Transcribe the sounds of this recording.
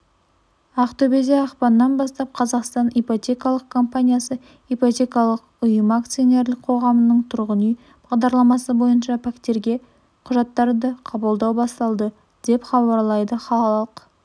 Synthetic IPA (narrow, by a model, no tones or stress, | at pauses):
ɑqt̪ʰɵbe̞d̪eɑqpɑnːɑnbɑst̪ɑp̚qʰɑzɑqst̪ɑnepot̪ʲe̞kɑlˠəq̚kʰo̞mpanʲijasə | epot̪ʲe̞kɑlˠəq | ʊjəmak̚t̪sɨjo̞ne̞ɾlɪk̚qʰo̞ʁɑmənəɴt̪ʰʊɾʁənij | b̥ɑʁd̪ɑɾlˠɑmɑsəbo̞jənʃɑpʰakt̪e̞ɾɡʲe̞ | qʰʊʒɑt̪ːɑɾd̪əqʰɑbəlˠd̪ɑwbɑst̪ɑlˠd̪ə | d̪̥e̞pχɑbɑɾlˠɑjd̪əχɑlˠɑlˠɑəq